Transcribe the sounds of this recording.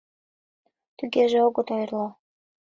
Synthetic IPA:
t̪yɣeʒeoɣɤ̆t̪ojrlo

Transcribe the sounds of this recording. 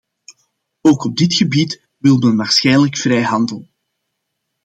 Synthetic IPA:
oːkɔb̚dɪtxəbit | ʋɪlˠmənʋaːrsxɛjnləkfrɛjɦɑndəlˠ

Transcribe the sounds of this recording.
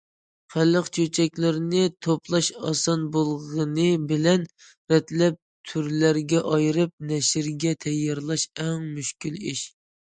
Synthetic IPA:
χælːəqt͡ʃʰøt͡ʃʰɛkʲlɪɾnɪt̪ʰoplˠɑʃɑ̰sɑnbolˠʁənɨbɪlɛn | ɾɛt̪lɛp̚t̪ʰyɾlæɾɡʲɛʔɑjɾɨp̚nɛʃɪɾɡʲɛt̪ʰɛjːɑɾlˠɑʃɛŋmyʃkʲiliʃ

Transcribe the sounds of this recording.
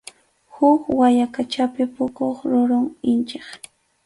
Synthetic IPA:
hʊkwajakat͡ʃapɪpʊkoχɾʊɾʊŋɪnt͡ʃeχ

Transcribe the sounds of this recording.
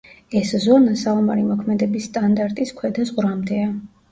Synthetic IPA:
ɛszɔnasalˠɔmaɾimɔkʰmɛd̪ɛbisːt̪ʼand̪aɾt̪ʼiskʰwɛd̪azʁɾamd̪ɛa

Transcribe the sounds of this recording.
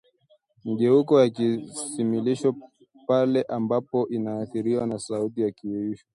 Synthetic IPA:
m̩ʄɛukɔjakisimiliʃɔ | palɛʔambapɔʔinaːθiɾiwanasautijakiɛiʃɔ̥

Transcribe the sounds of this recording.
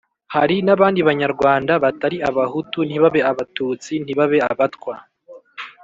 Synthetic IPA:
haɾinaβaːndiβaɲaɾɡwaːndaβataɾiaβahutunhiβaβe̞aβatuːt͡sin̥iβaβe̞aβatkwa

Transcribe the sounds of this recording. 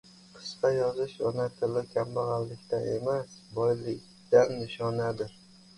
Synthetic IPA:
qʰɨ̥sqɑjɒzɪʃɒnat̪ʰɪlɪkʲʰambaʁɑlːɪkʲt̪ʰaʔḛmasbɒjlɪkʲ | d̪anːɪʃɒnad̪ɪɾ

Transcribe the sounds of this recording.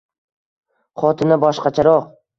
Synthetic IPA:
χɒt̪ʰɪnabɒʃqɑt͡ʃʰaɾɒq

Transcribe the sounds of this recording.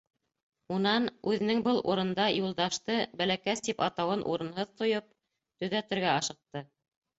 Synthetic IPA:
unɑnʉðɘ̆nɘŋbɤlˠʔṵɾɤ̆nd̪ɑjulˠd̪ɑʃt̪ɤbælækæst̪ipɑt̪ɑwɤnʔṵɾɤ̆nɦɤðt̪ŏjɤp̚ | t̪ɵ̆ðæt̪ɘ̆ɾɡæɑʃɤ̆q̚t̪ɤ

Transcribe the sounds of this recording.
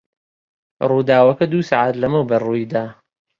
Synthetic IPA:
ruːd̪aːwɐkɐd̪uːsaʕat̪lɐmɨwbɐruːid̪aː

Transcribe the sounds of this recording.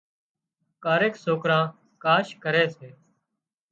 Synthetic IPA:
kaːɾeːksoːkɾãː | kaːʃkəɾeːseː

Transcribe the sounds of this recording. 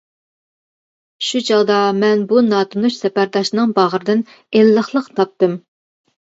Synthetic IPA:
ʃut͡ʃʰɑʁd̪ɑmɛnbunɑt̪unuʃsɛpæɾd̪ɑʃnɨŋbɑʁəɾɨd̪ɪn | elːəχlˠəqt̪ʰɑp̚t̪ɨm

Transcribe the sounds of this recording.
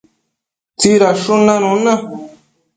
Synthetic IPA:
t͡siɾaʂunãnũnã

